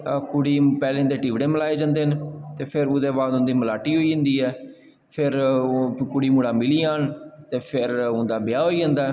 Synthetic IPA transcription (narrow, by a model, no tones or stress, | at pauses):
kʊɽiːpɛːleːʊnd̪eːʈiːʋɽeːməlaːeːd͡ʒãːnd̪eːnt̪eːpʰɪɾʊd̪eːbaːd̪ʊ̃nd̪iːməlaːʈiːɦoːiːʊ̃nd̪iːɦɛː | pʰɪɾ | kʊɽiːmuːɽaːmɪliːaːɳt̪eːpʰɪɾʊnd̪aːbɪjaːɦoːiːd͡ʒãːnd̪aː